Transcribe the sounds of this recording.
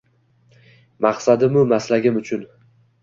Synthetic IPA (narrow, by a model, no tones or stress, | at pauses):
maqsad̪ɪmʊmaslaɡʲɪmʊt͡ʃʰʊn